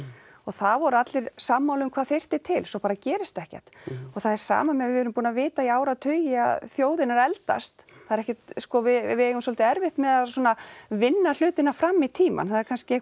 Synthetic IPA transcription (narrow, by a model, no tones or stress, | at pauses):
ɔɣθaðvɔɾʏat̪lɪɾ̥saːmːawlʏmkʰvaːðθer̥t̪ɪt̪ʰɪlsɔpaːɾacɛːɾɪst̪ɛhcɛ̰ht̪ɔɣθaðɛɾ̥sa̰ːmamɛðvɪɛːɾʏmpuːnavɪːt̪aiaːwɾaðt̪ʰœːjɪa̰ðθjoːwðɪnaɾɛlt̪a̰st̪θaðɛɾɛhcɛt̪skɔvɪvɪejɣʏmsɔlt̪ɪɛɾvɪht̪mɛðaðswɔːnavɪnːal̥ʏːt̪ɪnafɾamːit̪ʰiːma̰nθaðɛɾkʰanscɪh